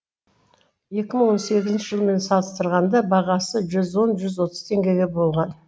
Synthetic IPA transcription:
je̞kʲɪməɴwo̞nse̞ɡʲɪzɪnʃɪʒəlˠme̞nsɑlˠəst̪əɾʁɑnd̪ɑbɑʁɑsəʒʏzwo̞nʒʏzwo̞t̪ə̥zt̪ʰe̞ŋɡʲe̞ɡʲe̞bo̞lˠʁɑn

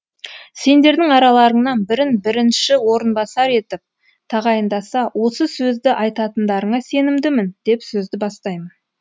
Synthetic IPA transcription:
se̞nd̪e̞ɾd̪ɪŋɑɾɑlˠɑɾəɴnɑnbɪɾɪnbɪɾɪnʃɪwo̞ɾənbɑsɑɾe̞t̪ɪp̚ | t̪ʰɑʁɑjənd̪ɑsɑwʔo̞səsɵzd̪ɪʔɑjt̪ɑt̪ənd̪ɑɾəɴɑse̞nɪmd̪ɪmɪnd̪̥e̞psɵzd̪ɪbɑst̪ɑjmən

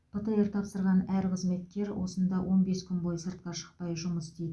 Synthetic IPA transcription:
pʰət̪əeɾt̪ʰɑpsəɾʁɑnæɾqʰəzme̞t̪̚kʲe̞ɾwo̞̰sənd̪ɑwʔo̞nbe̞skʲʰʏnbojsəɾt̪̚qɑʃə̥q̚pɑjʒʊməsd̪ejd̪ɪ

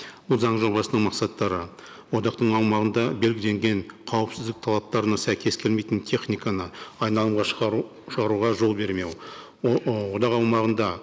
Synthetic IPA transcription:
bʊlˠzɑɴʒo̞bɑsənəɴmɑqsɑt̪ːɑɾə | wo̞d̪ɑqt̪əɴɑwmɑʁənd̪ɑbe̞lɡʲɪle̞ŋɡʲe̞ɴqʰɑwəpsɪzd̪ɪk̚t̪ʰɑlˠɑp̚t̪ɑɾənɑsæjkʲʰe̞skʲʰe̞lme̞jt̪ɪnt̪ʲʰe̞χnʲijkanəɑjnɑlˠəmʁɑ | ʃəʁɑɾuʁɑʒo̞lˠbe̞ɾme̞w | wo̞d̪ɑqɑwmɑʁənd̪ɑ

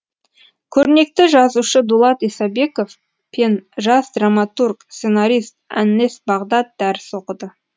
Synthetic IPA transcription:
kʲʰɵɾne̞k̚t̪ɪʒɑzuʃəd̪ulˠɑt̪isɑbe̞ko̞f | pʰe̞nʒɑsd̪ramat̪urkse̞naɾʲijst̪̚æ̰nːe̞sbɑʁd̪ɑt̪̚d̪æɾɪso̞qəd̪ə

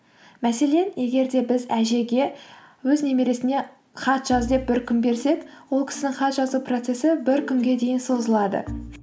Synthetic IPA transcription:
mæse̞le̞nje̞ɡʲe̞ɾd̪e̞bɪzæʒe̞ɡʲe̞ | wɵzne̞meɾe̞sɪne̞ | χɑt̪ʒ̥ɑzd̪e̞p̚bɪɾkʲʰʏmbe̞ɾse̞kwo̞lˠkʲʰɪ̥sɪnɪŋχɑt̪ʒɑzupro̞t̪se̞sɪbɪɾkʲʰʏŋɡʲe̞d̪e̞jɪnso̞zəlˠɑd̪ə̰

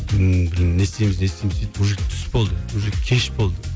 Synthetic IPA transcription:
bbɪɾnnest̪ejmɪznest̪ejmɪzet̪oʒet̪ʰʏ̥sbo̞lˠd̪əwoʒekʲʰeʃbolˠd̪ə

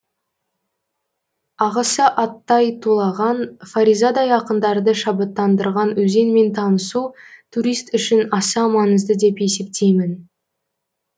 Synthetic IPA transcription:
ɑʁɑsəʔɑt̪ːɑjt̪ʰulˠɑʁɑnfaɾʲizad̪ɑjɑqənd̪ɑɾd̪əʃɑbət̪ːɑnd̪əɾʁɑnwɵze̞nme̞nt̪ʰɑnəsut̪ʰuɾijst̪ʏʃɪnɑsɑmɑnəzd̪əd̪e̞pe̞se̞p̚t̪ʰe̞jmɪn

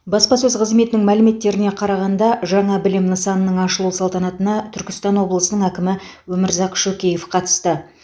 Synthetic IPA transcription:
bɑspɑsɵzqʰəzme̞t̪ɪnɪŋmælɪme̞t̪ːe̞ɾɪne̞qʰɑɾɑʁɑnd̪ɑʒɑɴɑbɪlɪmnəsɑnənəɴɑʃəlˠuwsɑlˠt̪ɑnɑt̪ənɑt̪ʰʏɾkʲɪ̥st̪ɑnwo̞blˠəsənəɴækʲɪmɪ | wɵmɪɾzɑqʃɵkʲeje̞fqʰɑt̪ə̥st̪ə

